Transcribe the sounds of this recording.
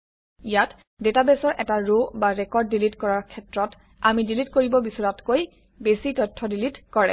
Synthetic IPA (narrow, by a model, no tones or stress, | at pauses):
ijat | detabɛsɔɹʔɛtaɹobaɹɛkɔɹdːilitkɔɹaɹkʰɛtɹɔt | amidilitkoɹibɔbisɔɹatkoj | besitɔtʰːɔdilitkɔɹɛ̰